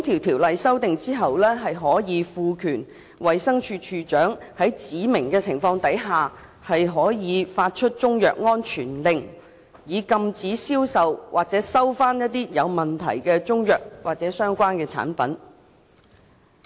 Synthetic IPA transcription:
i˥t̪ʰiː˨˩wt̪ʰiː˨˩wlɐ˨jsɐ˥wt̪ɪ˨ŋt͡siː˥ɦɐ˨wlɛː˥ɦɐ˨jɦɔː˨˥jiː˨˧fuː˨˧kʰyː˨˩n | wɐ˨jsɐ˥ŋt͡ʃʰyː˧t͡ʃʰyː˧t͡ʃœː˨˥ŋhɐ˨˥jt͡siː˨˥mɪ˨˩ŋkɛː˧t͡sʰɪ˨˩ŋfɔː˧ŋt̪ɐ˨˥jɦaː˨ | hɐ˨jɦɔː˨˥jiː˨˧faː˧t̚t͡ʃʰɵ˥t̚t͡sʊ˥ŋjœ̰ː˨k̚ŋɔː˥nt͡ʃʰyː˨˩nlɪ˨ŋ | jiː˨˧kɐ˧mt͡siː˨˥siː˥wsɐ˨wwʔaː˨k̚t͡sɛː˨˥sɐ˥wfaː˥njɐ˥t̚t̪iː˥jɐ˨˧wmɐ˨˩nt̪ʰɐ̰˨˩jkɛː˧t͡sʊ˥ŋjœː˨k̚wʔaː˨k̚t͡sɛː˨˥sœː˥ŋkʷaː˥nkɛː˧t͡sʰa̰ː˨˥npɐ˨˥n

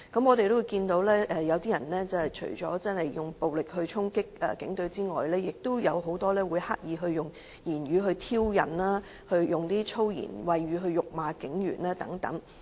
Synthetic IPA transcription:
kɐ˨˥mɔː˨t̪e˨jt̪o˥wu˨˧jkiː˧nt̪o˨˧˥wlɛː˥ʔɛ˨˧jɐ˨˧wt̪iː˥jɐ˨˩nlɛː˥t͡sɐ˨˧hɐ˨jt͡ʃʰɵ̰˨˩ɥt͡ʃɔ̰ː˨˥t͡sɐ˥nhɐ˨jjʊ˨˩ŋpo˨wlɪ˨k̚hɵ˧ɥt͡sʰʊ˥ŋkɪ˥k̚ɛ̰ː˨kɪ̰˨˥ŋt̪ɵ˧ɥt͡siː˥ŋɔ̰ː˨jlɛː˥jɪ˨k̚t̪o˥wjɐ˨˧wɦo˨˥wt̪ɔː˥lɛː˥wuː˨˧jhaː˥k̚jiː˨˧ɦɵ˧ɥjʊ˨ŋ | jiː˨˩nɥyː˨˧ɦɵ˧t̪ʰiː˥wjɐ̰˨˩naː˥ | hɵ˧ɥjʊ˨ŋt̪iː˥t͡ʃʰo˥wjḭ˨˩nwɐ˨jɥyː˨˧ɦɵ˧ɥjʊ˨k̚maː˨kɪ˨˥ŋjy̰ː˨˩naː˥t̪ɐ̰˨˥ŋt̪ɐ̰˨˥ŋ

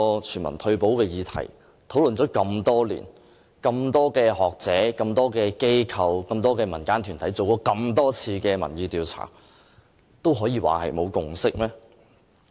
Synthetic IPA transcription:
t͡ʃʰyː˨˩nmɐ̰˨˩nt̪ʰɵ˧ɥpo˨˥wkɛː˧jiː˨˧t̪ʰɐ̰˨˩j | t̪ʰo˨˥wlɵ˨nt͡sɔː˨˥kɐ˧mt̪ɔː˥lḭː˨˩n | kɐ˧mt̪ɔː˥kɛː˧ɦɔː˨k̚t͡sɛː˨˥kɐ˧mt̪ɔː˥kɛː˧ke˥jkʰɐ˨wkɐ˧mt̪ɔː˥kɛː˧mɐ˨˩nkaː˥nt̪ʰyː˨˩nt̪ʰɐ˨˥jt͡so˨wkɔː˨˥kɐ˧mt̪ɔː˥t͡sʰiː˧kɛː˧mɐ˨˩njiː˧t̪iː˨wt͡sʰa̰ː˨˩ | t̪o˥wɦɔː˨˥jiː˧wa̰ː˨˩hɐ̰˨jmo˨˧wkʊ˨ŋsɪ˥k̚mɛː˥

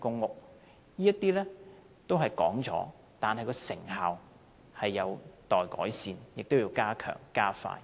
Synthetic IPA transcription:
kʊ˥ŋːʊ˨k̚ | jiː˥jɐ˥t̪iː˥lɛ˥ | t̪o˥wɦɐ˨jkɔː˨˥ŋt͡sɔ̰ː˨˥ | t̪aː˨nɦɐ˨jkɔː˧sɪ˨˩ŋɦaː˨˩w | hɐ˨jːɐ˨˧wt̪ɔː˨jkɔː˨˥jsiː˧njɪ˨k̚t̪o˥wjiː˧wkaː˥kʰœ̰ː˨˩ŋkaː˥fa̰ː˧j

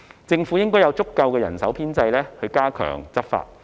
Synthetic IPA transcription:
t͡sɪ˧ŋfuː˨˥jɪ˥ŋkɔː˥jɐ˨˧wt͡sʊ˥kːɐ˧wkɛː˧jɐ̰˨˩nsɐ̰˨˥wpʰiː˥nt͡sɐ˧jlɛː˥hɵ˧ɥkaː˥kʰœ̰ː˨˩ŋt͡sɐ˥t̚fa̰ː˧t̚

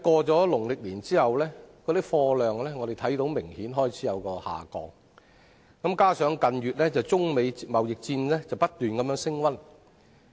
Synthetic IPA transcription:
kɔː˧t͡sɔː˨˥lʊ˨˩ŋlɪ˨k̚liː˨˩nt͡siː˥hɐ˨wlɛː˥kɔː˧t̪i˥k̚fɔː˧lœː˨ŋlɛː˥ŋɔː˨˧ɾe˨˩jt̪ʰɐ˨˥jt̪o˧˥wmɪ˨˩ŋhiː˨˥nɦɔː˥jt͡sʰiː˨˥jɐ˨˧wkɔː˧ha̰ː˨kɔ̰ː˨˥ŋ | kɐ˨˥mkaː˥sœː˨˥ŋkɐ˨˧nɥyː˨t̚lɛː˥t͡sɐ˨wt͡sʊ˥ŋme˨˧jmɐ˨wjɪ˨k̚t͡siː˧nlɛː˥t͡sɐ˨wpɐ˥t̚t̪yː˨nkɐ˨˧mjœː˨˧˥ŋsɪ˥ŋwɐ˥n

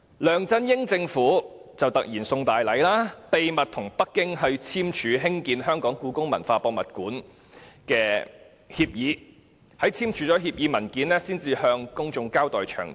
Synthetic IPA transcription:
lœː˨ŋt͡sɐ˥njɪ˥ŋt͡sɪ˧ŋfuː˨˥t͡sɐ˨wt̪ɐ˨k̚jiː˨˩nsʊ˧ŋt̪aː˨jlɐ˨˥jlaː˥t̪e˨jmɐ˨t̚t̪ʰʊ˨˩ŋpɐ˥kːɪ˥ŋɦɵ˧ɥt͡sʰiː˥mt͡ʃʰyː˨˧ɦɪ˥ŋkiː˨˧nɦœː˥ŋkɔː˨˥ŋkuː˨˥kʊ˥ŋmɐ̰˨˩nfaː˧pɔː˧k̚mɐ̰˨˩t̚kuː˨˥n | kɛː˧ | hiː˧p̚jiː˨˥ | hɐ˨˥jt͡sʰiː˥mt͡ʃʰyː˨˧˥t͡sɔː˨˥ɦiː˧p̚jiː˨˥mɐ˨˩nkiː˨˥nlɛː˥siː˥nt͡siː˨hœː˧ŋkʊ˥ŋt͡sʊ˧ŋkaː˥wt̪ɔː˨˩jt͡ʃʰœ̰ː˨˩ŋ

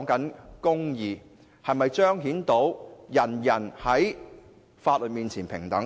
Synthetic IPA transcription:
ŋkɐ˨˥nkʊ˥ŋjiː˨˩ | hɐ˨jmɐ˨jt͡ʃœː˥ŋɦiː˨˥nt̪o˨˥wjɐ˨˩njɐ˨˩nhɐ˨˥j | faː˧t̚lɵ˨t̚miː˨˧nt͡sʰiː˨˩npʰɪ̰˨˩ŋt̪ɐ˨˥ŋ

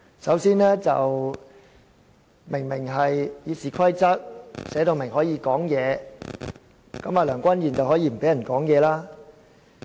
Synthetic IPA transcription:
sɐ˨˥wsiː˥nɛː˥t͡sɐ̰˨w | mɪ˨˩ŋmɪ˨˩ŋɦɐ˨jjiː˨˧siː˨˩kʰɐ˥jt͡sɐ˥t̚sɛː˨˥t̪o˨˧wmɪ˨˩ŋhɔː˨˥jiː˨˧kɔː˨˥ŋjɛː˨˧ | kɐ˨˥maː˨lœː˨˩ŋkʷɐ˥njiː˨˩nt͡sɐ˨wɦɔː˨˥jiː˧m̩˨˩pe˨˥jɐ˨˩nkɔː˨˥ŋjɛː˨˧laː˥

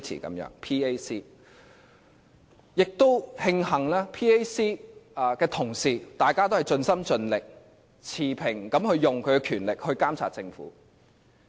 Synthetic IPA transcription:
t͡sʰḭː˨˩kɐ̰˨˥mjœ̰ː˨˧˥ŋpʰiː˥e˥jsiː˥ | jɪ˨k̚t̪o˥whɪ˧ŋhɐ˨˩ŋlaː˥pʰiː˥e˥siː˥˧kɛː˧t̪ʰʊ˨˩ŋsiː˨t̪aː˨jkaː˥t̪o˥whɐ˨jt͡sɵ˧nsɐ˥mt͡sɵ˧nlɪ˨k̚ | t͡sʰiː˨˩pʰɪ˨˩ŋkɐ˨˥mhɵ˧ɥjʊ˨ŋkʰɵ˨˧ɥkɛː˧kʰyː˨˩nlɪ˨k̚hɵ˧ɥkaː˥mt͡sʰa̰˨t̚t͡sɪ˧ŋfṵː˨˥

